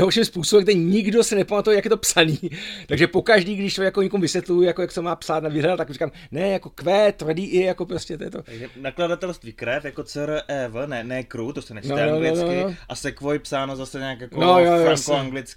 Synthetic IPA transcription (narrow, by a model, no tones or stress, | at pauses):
ɦolʃɪmspuːsobɛmɡ̚dɛɲɪɡdo̞sɛnɛpamat̪ujɛjakjɛt̪̬opsaniːt̪aɡʒɛpokaʒdiːɡdɪʃt͡ʃoɛkjakoɲɛkomuvɪsʋjɛt̪lujjakojaksɛmaːpsaːt̪naviːɦlɛdalt̪akrikaːm | nɛjako̞kvɛːt̪vr̩diːʔɪjako̞pɾoscɛt̪ojɛt̪o̞aɡʒɛnakladat̪ɛlst̪viːkɾɛfjakot͡sɛɾəʔɛvnɛnɛkɾut̪osɛnɛt͡ʃnnoanonoɪnokɪnoʔasɛkvojɪpsaːnozasɛɲaːkjakonojojɾaŋkoaɡlɪt͡sk